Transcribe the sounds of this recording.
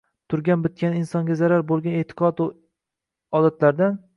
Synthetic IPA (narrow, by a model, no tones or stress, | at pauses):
t̪ʰʊɾɡʲanbɪt̪̚kʲanɪnsɒŋɡʲazaɾaɾbolˠɡʲanet̪ʰɪ̥qʰɒt̪ | ɒd̪at̪ʰlaɾd̪an